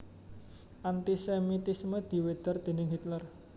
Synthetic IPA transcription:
ʔant̪isemit̪isməd̪̥i̤wed̪̥ərd̪̥e̤nɪŋɦit̪lər

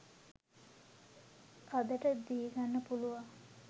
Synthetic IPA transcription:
ad̪əʈəd̪iɡanːəpuluʋaŋ

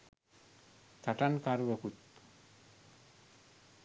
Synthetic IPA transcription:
t̪aʈankaɾʋəkut̪̚

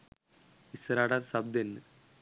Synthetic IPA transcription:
isɐɾaːɽasɐb̚d̪enː

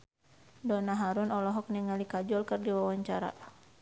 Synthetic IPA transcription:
dɔnaɦaɾunɔlɔɦɔk̚niŋalikad͡ʒɔlkɨrdiwawaɲt͡ʃaɾa̰

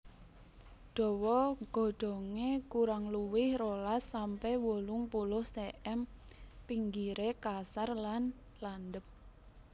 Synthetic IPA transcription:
ɖ̥ɔ̤wɔɡ̥ɔ̤ɖ̥ɔ̤ŋekuɾaŋluwɪhrolasːampɛwolʊŋpulʊhseʔɛmpiŋɡiɾekasarlan | land̪əp̚

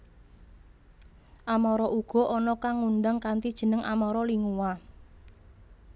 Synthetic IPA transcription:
ʔamɔɾɔʔuɡ̥ɔ̤ʔɔnɔkaŋːuɳɖaŋkant̪id̥ʒ̥ə̤nəŋa̰mɔɾɔliŋuwa

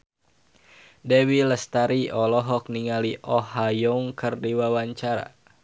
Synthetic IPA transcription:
dɛwiləst̪aɾiɔlɔɦɔk̚niŋaliʔɔhajɔŋkərdiwawaɲt͡ʃaɾa̰

